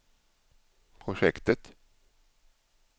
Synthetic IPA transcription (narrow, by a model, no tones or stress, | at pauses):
pʰɾʊʂɛkt̪ət̪